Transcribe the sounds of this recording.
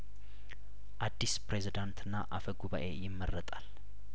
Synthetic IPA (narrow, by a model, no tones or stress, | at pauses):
ʔad̪ːispɾe̞zid̪ant̪ʰɨnːaʔafəɡuβa̰ʔe̞jɪmːərːət̪ʼal